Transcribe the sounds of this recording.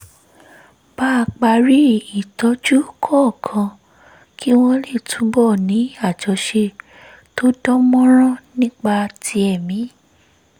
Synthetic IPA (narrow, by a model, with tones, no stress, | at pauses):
b̥a˦˧k͡pa˧ɾi˦i˨tɔ˨˦d͡ʒu˦kʰɔ˦˨kʰã˧ | ki˦w̃ɔ̃˧le˦˨tʰũ˨˦bɔ˦˨nĩ˨˦a˦˨d͡ʒɔ˨˧˦ʃe˧ | to˦dɔ˦mɔ̃˦ɾ̃ã˦nĩ˦k͡pa˧tʰi˧˦ɛ˨mĩ˨˦